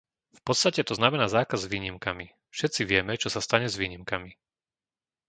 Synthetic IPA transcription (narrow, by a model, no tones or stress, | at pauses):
fpɔt̪st̪acɛt̪ɔznamɛnaːzaːkazʋiːɲimkami | fʃɛt̪t͡siʋɪɛmɛt͡ʃɔsast̪aɲɛzʋiːɲimkami